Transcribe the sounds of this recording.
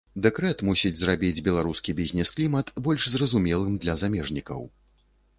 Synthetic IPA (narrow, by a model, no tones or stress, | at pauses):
d̪ɛkɾɛt̪musʲid͡zʲzrabʲid͡zʲbʲɛlˠaɾuskʲibʲizʲnʲɛsklʲimɐt̪bɔlʲʂzrɐzumʲɛlˠɨmd̪lʲɐzamʲɛʐnʲikɐ̰w